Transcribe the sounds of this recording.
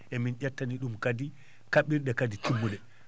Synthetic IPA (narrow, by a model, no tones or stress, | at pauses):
ʔɛminɟatːaniɗumkadi | kaɓiɾɗɛkaditimːuɗɛ